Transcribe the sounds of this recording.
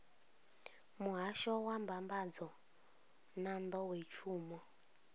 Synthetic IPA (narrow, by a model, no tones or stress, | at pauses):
muɦaʃɔwambambad͡zɔ | nand̪ɔwet͡ʃʰuːmɔ